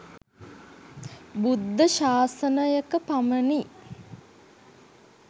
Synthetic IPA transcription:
bud̪ːəʃaːsənəjəkəpaməni

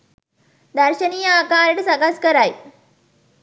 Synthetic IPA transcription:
d̪əɾɕənijəːkaːɾʈsaɡaskəɾaj

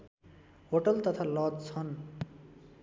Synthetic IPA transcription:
ɦoʈʌlt̪ʌt̪ʰalʌd̪t͡sʰʌn

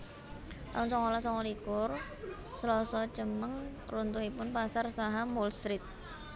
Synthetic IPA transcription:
t̪aʊnsɔŋɔlasɔŋolikʊr | səlɔsɔt͡ʃəməŋ | runt̪uɦipʊnpasarsaɦamɔlst̪ɾɪt̪̚

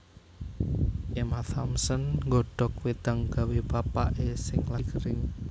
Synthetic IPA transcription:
ʔemaθamsənŋɡɔɖ̥ɔ̤k̚wed̪̥aŋɡ̥a̤webapa̰ʔesɪŋlakəɾɪŋ

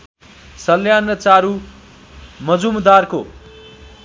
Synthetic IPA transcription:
sʌlːjanʌt͡saɾu | mʌd͡zumd̪arko̰

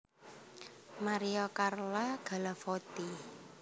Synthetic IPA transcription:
maɾiɔkarlaɡ̥a̤lafɔt̪i

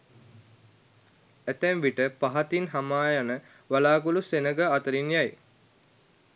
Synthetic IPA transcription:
æt̪ɛmʋiʈəpaɦat̪inɦamaːjanə | ʋalaːkulusenəɡəat̪əɾinjaj

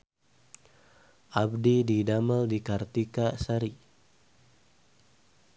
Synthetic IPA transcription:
ʔabdididaməldikart̪ikasaɾi

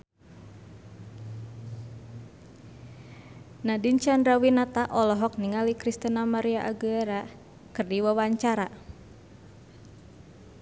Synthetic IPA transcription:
nadint͡ʃandɾawinat̪aʔɔlɔɦɔk̚niŋalikɾist̪ənamaɾiaʔaɡuɛɾa | kɨrdiwawaɲt͡ʃaɾa

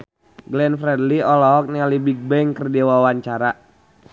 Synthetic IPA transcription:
ɡlɛnfɾɛdliɔlɔɔk̚nialibiɡ̚bɛŋkərdewawaɲt͡ʃaɾa

